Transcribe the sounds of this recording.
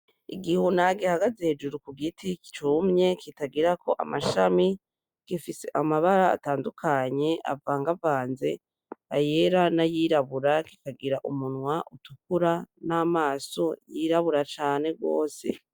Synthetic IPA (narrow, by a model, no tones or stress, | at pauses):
ḭɡihunaɡihaɡazeːd͡ʒuɾukuɡitʰiki̥t͡ʃumɲe̞kʰitaɡiɾakʰo̞ʔa̰maʃami | ɡ̥ifise̞ʔamaβaɾa̰ːtaːndukʰaɲe̞ʔa̰vaːŋɡavaːnze̞̰ | ajeɾanajiːɾaβuɾaki̥kaɡiɾaʔumunwaʔutukuɾanamaːso̞jiɾaβuɾat͡ʃaːne̞ɡo̞̰ːse̞̰